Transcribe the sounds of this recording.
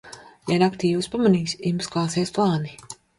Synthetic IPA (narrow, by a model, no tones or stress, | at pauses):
janakt̪iːvuspamaniːsimsklˠaːseːsplˠaːni